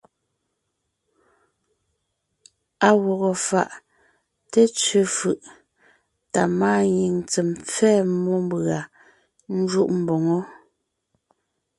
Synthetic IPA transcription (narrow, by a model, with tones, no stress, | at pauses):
a˨ɣɔ˨ɣɔ˨fa̰˨ʔ | te˦t͡sɥe˨fɯ˨ʔ | ta˨maː˦˨ɲi˨ŋt͡sɛ˨mp͡fɛː˦˨mɔ˦m˦bɣa˨ | n̩˦d͡ʒu˦ʔm̩˨bɔ˨ŋɔ˦